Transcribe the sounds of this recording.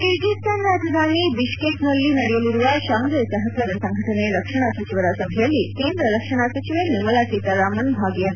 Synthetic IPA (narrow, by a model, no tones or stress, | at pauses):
kiɾɡist̪ʰanːat̪ʰɐd̪ʱanibiʃkeknəlːiːnɐɽijoliɾuʋaɕaŋɡ̪əɾsəɦət̪əɾəsə̃ŋɡʱəʈəneɾəkʂəɽ̃asət͡ɕiʋəɾasəbʱjəlːik̪end̪ɾələkʂəɽ̃asət͡ɕiʋeniməlasit̪aɾamənbʱaɡjə